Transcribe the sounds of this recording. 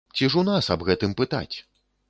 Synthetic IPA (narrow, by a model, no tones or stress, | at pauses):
t͡sʲiʂunasɐbɣɛt̪ɨmpɨt̪a̰t͡sʲ